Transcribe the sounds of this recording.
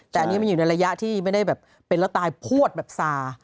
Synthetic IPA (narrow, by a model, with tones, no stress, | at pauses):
t̪ɛː˨˩ʔa˧ni˦˥ma˧nju˨˩na˧jɾa˧ja˦˥ʔt̪ʰiː˥˩ma˥˩jda˥˩jbɛː˨˩pːe˧nlt̪aː˧jpʰu˥˩ət̪̚bɛː˨˩p̚saː˧